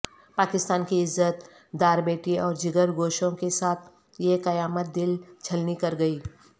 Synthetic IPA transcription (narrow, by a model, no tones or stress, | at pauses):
paːkɪst̪aːnkiɪzːət̪ | d̪aːɾbeːʈiẽʔɔːɾd͡ʒɪɡəɾɡoːʃõkesaːt̪ʰ | jekɐjaːmət̪̚d̪ɪlt͡ʃʰɐlnikɐɾɡɐiː